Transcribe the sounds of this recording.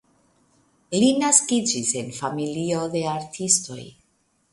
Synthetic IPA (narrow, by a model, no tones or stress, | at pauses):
linaskid͡ʒise̞nfamilio̞de̞aɾtʰisto̞̰j